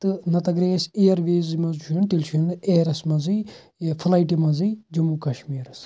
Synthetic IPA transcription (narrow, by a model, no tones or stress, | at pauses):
t̪ɨnɐt̪ɐɡɾeːsejɐɾʋeːzimɐzʃʰint̪ilʃʰind̪eːɾɐsmɐzɨ | jɐfʰɐlaːiʈimɐzɨjd͡ʒɐmukɐʃmiːɾɐs